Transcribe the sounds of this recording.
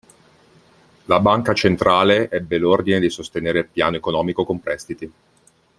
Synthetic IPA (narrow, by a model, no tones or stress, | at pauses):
labaŋkat͡ʃent̪ɾaːleʔɛbːelord̪ined̪isost̪eneːɾelpja̰ːnoekonɔːmikokompɾɛst̪it̪i